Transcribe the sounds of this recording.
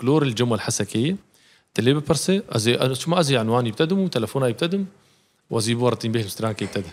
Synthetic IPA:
kloːɾɪld͡ʒʊmːalħasakɪjːa | t̪alːiːbapɑɾˤseʔaziʔaʃʊmːaʔaziʕanwaːnjɪb̚t̪ad̪ɪmut̪alafuːnajɪb̚t̪ad̪ɪm | wʔaziːbuwɑɾˤɑt̪iːmbiːhlmst̪ɾaːnkajɪb̚t̪ad̪ɪ

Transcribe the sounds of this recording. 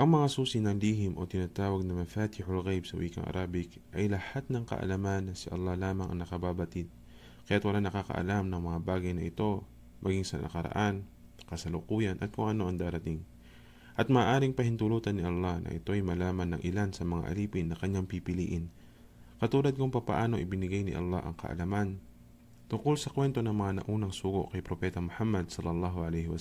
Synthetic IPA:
ʔɐŋmɐŋasuːsɪnɐŋliːɦɪmʔo̞t̪ɪnaːt̪aːwɐɡ̚nɐŋmɐfaːt̪ɪhʊlɣejbsɐwʔiːkɐ̰ŋʔɐ̰ɾʔaːbɪk | ʔɐjlɐhat̪̚nɐŋkɐ̰ʔɐ̰lɐmanːɐsɪʔɐ̰lˠːɑhlaːmɐŋʔɐ̰ŋnɐkɐbaːbɐt̪ɪd̪̚ | kɐjat̪wɐlanɐkakɐ̰ʔɐ̰lamnɐŋmɐŋabaːɡɐjnɐʔɪt̪o̞ | mʔɐɡiŋsɐ̰ɐ̰kɐɾɐ̰ʔan | kɐsɐlʊkuːjɐnʔɐ̰t̪̚koŋʔɐno̞ʔɐŋd̪aːɾɐt̪ɪŋ | ʔɐt̪̚mɐaʔːʔaːɾɪŋpɐhɪnt̪ʊluːt̪ɐnːɪʔɐlːahnʔɐ̰ʔɪ̰t̪o̞ʔɐjmɐlaːmɐnːɐŋʔɪlansɐmɐŋa̰ʔɐ̰liːpɪnːɐkɐɲaŋpipɪlḭːʔɪn | kɐt̪uːlɐd̪̚kʊŋpɐpɐ̰ʔaːno̞ʔɪbɪnɪɡajnɪ̰ʔɐ̰lˠːa̰hʔɐ̰ŋkɐ̰ʔɐ̰lɐman | t̪ʊŋkolsɐkwɛnt̪o̞nɐŋmɐŋanɐ̰ʔuːnɐŋsuːɡo̰ʔkɐjpɾopɛːt̪ɐmʊħamːɐd̪̚sɐlːɐlːɑːɦoʔɐlɛjhɪwɐ

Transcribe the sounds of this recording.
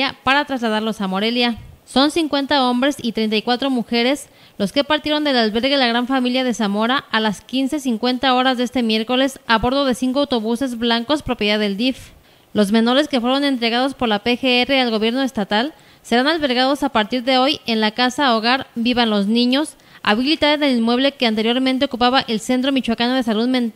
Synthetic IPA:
apaɾat̪ɾazlað̞aɾlo̞samo̞ɾe̞ljaso̞nsiŋkwe̞nt̪ao̞mbɾe̞sit̪ɾe̞jnt̪̬ajkwat̪ɾo̞muxe̞ɾe̞s | lo̞ske̞paɾt̪jeɾo̞nd̪e̞lalβe̞ɾɣe̞laɣ̞ɾaɱfamiljað̞e̞samo̞ɾaʔalaskinse̞siŋkwe̞nt̪ao̞ɾazðe̞st̪e̞mje̞ɾko̞le̞saβo̞ɾðo̞ðe̞siŋkoawt̪o̞βuse̞zβlaŋko̞spɾo̞pjeðaðe̞ld̪if | lo̞zme̞no̞ɾe̞ske̞fweɾo̞ne̞nt̪ɾe̞ɣað̞o̞spo̞ɾlapexeere̞alɣo̞βje̞ɾno̞est̪at̪al | se̞ɾanalβe̞ɾɣað̞o̞sapaɾt̪iɾðe̞o̞je̞nlakasaoɣaɾbiβanloznĩɲo̞s | a̰βilit̪aðeðe̞linmwe̞βle̞ke̞ant̪eɾjo̞ɾmẽnt̪e̞o̞kupaβaʔelse̞nt̪̬ɾo̞mit͡ʃwakanoð̞e̞saluðment̪

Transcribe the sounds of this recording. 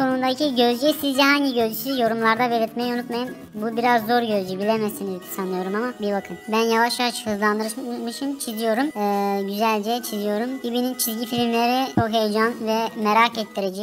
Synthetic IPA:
ko̞nund̪aicʰiɟø̞zd͡ʒɛsizd͡ʒɛɦaɲɟiɟø̞zd͡ʒysijo̞ɾumlˠaɾd̪abe̞lʲiɾt̪mɛjunut̪majɯn | bubiɾazːo̞ɾɟø̞zd͡ʒybilʲemesinizd̪sanˠɯjo̞ɾumamabibakʰɯmbænjavaʃjaaʃhɯzlˠand̪ɯɾɯmɯʃɯmt͡ʃʰizijo̞ɾumɛːɟyzælʲd͡ʒɛt͡ʃʰizijo̞ɾumibinint͡ʃʰizʲɟifilʲimlʲeɾit͡ʃoɦe̞jd͡ʒanvɛmeɾakɛt̪ʰːiɾed͡ʒɛc

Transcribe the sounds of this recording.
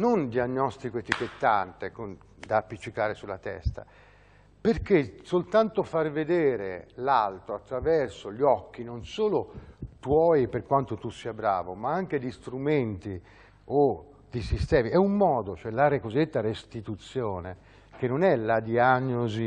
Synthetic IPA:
nond̪ianːɔst̪ikoet̪ik̟et̪ːant̪ekon | d̪aːpːit͡ʃːikaːɾesulːat̪ɛ̰st̪a̰ | perk̟ːesolt̪ant̪ofarved̪eːɾelalt̪ɾoat̪ːɾavɛrsoʎɔkːinonsoːlot̪wɔjperkwant̪ot̪usiabɾa̰ːvomaaŋk̟ed̪ist̪ɾument̪i | o | d̪isist̪ɛːmiɛumːɔːd̪ot͡ʃoɛlaɾeakozid̪ːet̪ːarest̪it̪ut̪sːjoːne | k̟enːonɛlad̪ianːozi

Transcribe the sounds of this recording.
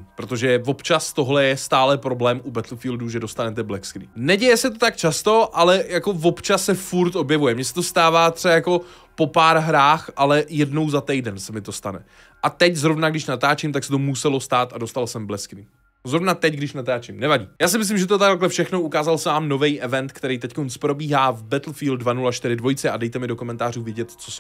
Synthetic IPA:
pɾot̪o̞ʒɛvo̞pt͡ʃast̪o̞ɦlɛjɛst̪aːlɛpɾo̞blɛːmʔubɛt̪lfiːlduʒɛdo̞st̪anɛt̪ɛblɛskɾḭːnɛɟɛjɛsɛt̪̬o̞t̪akt͡ʃast̪o̞ʔalɛjako̞vo̞pt͡ʃasːɛfuɾt̪ʔo̞bjɛvujɛmɲɛsɛ̥t̪o̞st̪aːvaːt̪r̥ɛajako̞ | po̞paːɾɦɾaːxʔalɛjɛdno̞wzat̪ɛjdɛnsɛmɪt̪o̞st̪anɛ̰ | ʔat̪ɛczɾo̞vnaɡdɪʃnat̪aːt͡ʃɪmt̪aksɛt̪o̞musɛlo̞st̪aːt̪ado̞st̪alsɛmblɛskniː | zɾovnat̪ɛcɡdɪʃnat̪aːt͡ʃɪmnɛvaɟiːjaːs̬ɪmɪslɪmʒɛt̪ot̪akklɛfʃɛxnoʔukaːzalsɛvaːmno̞vɛjʔɛvɛnt̪kt̪ɛɾijt̪ɛckonspɾo̞biːɦaːvbɛt̪l̩fiːld̪̚dvanulaʃt̪ɪɾɪdvo̞jt͡sɛadɛjt̪ɛmɪdo̞ko̞mɛnt̪aːruːvjɛɟɛt̪t͡sos

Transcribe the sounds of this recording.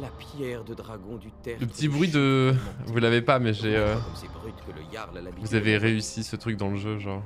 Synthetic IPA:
lapjɛʁd̪əd̪ʁaɡɔ̃d̪yt̪ɛləpət̪ibʁɥid̪əvulavepamɛʒeøɛbʁyt̪kələ̰jaʁlalavuzaveʁeysisət̪χyk̚d̪ɑ̃ləʒøʒɔ̃ʁ

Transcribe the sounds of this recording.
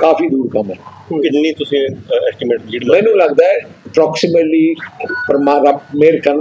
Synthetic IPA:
kaːfid̪uːɾkɐmɛː | ɪnnĩːt̪ʊsĩɛːsʈɪmeːʈliːɖmɛ̃ːnũlɐɡd̪aːɛəpɾɔːksɪməʈliːpəɾmaːɾɐbmeːɾkɐɾn

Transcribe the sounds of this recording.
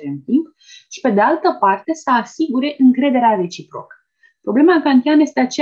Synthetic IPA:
ɨnt̪imp | ʃi̥pe̞d̪e̞alt̪əpart̪e̞səasiɡuɾe̞ʔɨŋkɾe̞d̪e̞ɾeare̞t͡ʃipɾo̞̰kə̥ | pɾo̞ble̞maŋkant̪ianəjest̪eat͡ʃe

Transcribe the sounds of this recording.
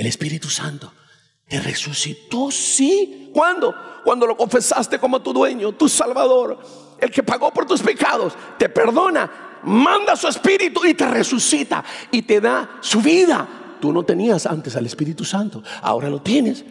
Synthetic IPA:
elespiɾit̪usa̰nt̪o̥ | t̪erḛsusit̪o̞sikwand̪okwand̪o̞lo̞ko̞ɱfe̞sast̪e̞ko̞mot̪uðwe̞ɲo̞t̪usalβaðo̞ɾ | e̞lke̞paɣo̞po̞ɾt̪uspe̞kaðo̞s | t̪e̞pe̞ɾðo̞na | mãnd̪asue̞spiɾit̪uit̪e̞resusit̪a̰it̪e̞ðasuβiða̰ | t̪uno̞t̪e̞niasa̰nt̪e̞salespiɾit̪usant̪oa̰o̞̰ɾalo̞t̪je̞ne̞s

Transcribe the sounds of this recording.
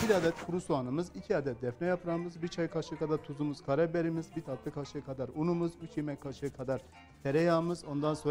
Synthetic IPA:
biɾad̪ɛt̪kʰuɾusuanɯmɯzicʰiad̪ɛt̪̚d̪ɛfnɛjapʰɯɾamɯzbit͡ʃʰajkʰaʃɯkʰad̪aɾt̪ʰuzumuz̥kʰaɾɛbeɾimizbit̪ʰat̪lˠɯkʰaʃɯkʰad̪aɾunumuzyt͡ʃʰjimɛckʰːaʃɯɯkʰad̪aɾ̥ | t̪ʰeɾɛjaːmɯzo̞nd̪anso

